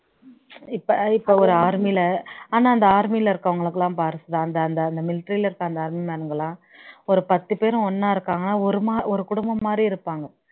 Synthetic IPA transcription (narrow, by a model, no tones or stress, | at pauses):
ɪpːɐɪpːoːɔɾɯaːɾmiɪlɐaːnaːɐnd̪ɐaːɾmiɪlɐɪɾɯkːɐʋɐŋɡɐɭɯkːɯlãːpaːɾɯsɯðãːɐnd̪ɐːnd̪ɐːnd̪ɐmɪlɪʈːɾiːlɐɪɾɯkːãːnd̪ɐaːɾmimaːɾɯŋɡɐlãː | ɔɾɯpɐt̪ːɯpeːɾʊ̃ɔnːaːɪɾɯkːaːŋɡɐnːaːɔɾɯmaːɔɾɯkʊɽʊmbɐmːaːd̪ɾiɪɾɯpːaːŋɡɐ